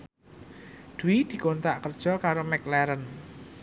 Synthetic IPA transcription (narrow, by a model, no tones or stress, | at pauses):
d̪̥uwid̪̥i̤kont̪aʔkərd̥ʒ̥ɔ̤kaɾomɛk̚lɛɾən